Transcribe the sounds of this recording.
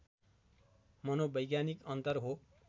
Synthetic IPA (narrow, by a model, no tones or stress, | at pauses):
mʌnobʌjɡjanikʌnt̪ʌrɦo